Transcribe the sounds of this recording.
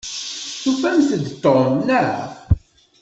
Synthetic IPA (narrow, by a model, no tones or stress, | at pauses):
θufæmsəd̪t̪ˤːomnaɾˤa̰